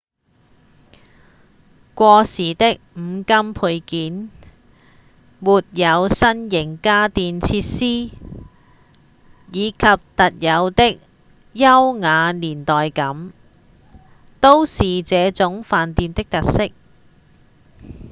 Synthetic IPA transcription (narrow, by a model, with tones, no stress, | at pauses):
kʷɔː˧siː˨˩t̪ɪ˥k̚m̩˨˧kɐ˥mpʰu˧jkiː˨˥n | muː˨t̚jɐ˨˧wsɐ˥njɪ˨˩ŋkaː˥t̪iː˨nt͡sʰiː˧t̚siː˥ | jiː˨˧kʰɐ˨p̚t̪ɐ˨t̚jɐ˨˧wt̪ɪ˥k̚ | jɐ˥wŋaː˨˧liː˨˩nt̪ɔː˨jkɐ˨˥m | t̪o˥wsiː˨t͡sɛː˨˧t͡sʊ˨˧˥ŋfaː˨nt̪iː˧mt̪ɪ˥k̚t̪ɐ˨t̚sɪ˥k̚